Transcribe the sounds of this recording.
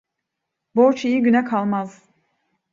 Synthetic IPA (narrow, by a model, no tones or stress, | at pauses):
boɾt͡ʃijiɟynɛkʰalˠmaz̥